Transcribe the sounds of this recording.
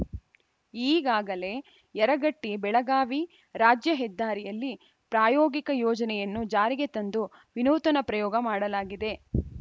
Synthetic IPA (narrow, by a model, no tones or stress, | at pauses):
iːɡaːɡɐle̞ | jɛɾɐɡɐʈːibɛɭɐɡaːʋi | ɾaːd͡ʒjɐɦɛd̪ːaːɾijɐlːi | pɾaːjɔːɡikɐjɔːd͡ʒɐnɛjɐnːud͡ʒaːɾiɡe̞t̪ɐnd̪u | ʋinuːt̪ɐnɐpɾɐjɔːɡɐmaːɽɐlaːɡid̪e̞